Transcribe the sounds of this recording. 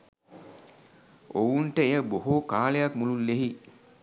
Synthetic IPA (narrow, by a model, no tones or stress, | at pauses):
ʔowunʈəejəboɦokaːlejakmululːeɦi